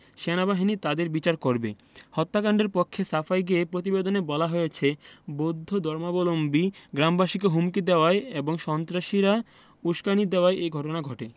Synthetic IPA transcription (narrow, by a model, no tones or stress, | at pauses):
ʃenabaɦinit̪ad̪eɾbit͡ɕaɾkoɾbḛ | hɔt̪ːakaɳɖeɾpokʰːesafajɡeepɾot̪̬ibed̪onebɔlaɦoet͡ɕʰebod̪ʱːod̪ɔɾmabolombiɡɾambaʃikeɦumkid̪eoaeeboŋʃɔnt̪ɾaʃiɾa | uʃkanid̪eoaʔejɡʱɔʈonaɡʱɔʈe